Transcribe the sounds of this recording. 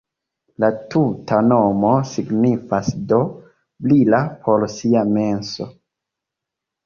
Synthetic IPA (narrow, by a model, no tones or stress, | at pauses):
latutʰano̞mo̞siɡnifasdo̞ | blilapʰo̞ɾsiame̞nso̞